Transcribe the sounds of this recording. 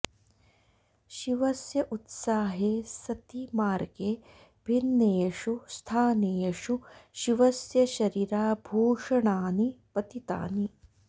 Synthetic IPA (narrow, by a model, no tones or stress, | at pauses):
ʃiʋɐsjɐʔut̪saːɦeːsɐt̪imaːɾɡeː | bʱinːeːʂust̪ʰaːneːɐʂuʃiʋɐsjɐʃɐɾiːɾaːbʱoːʂɐɳaːnipɐt̪it̪a̰ːni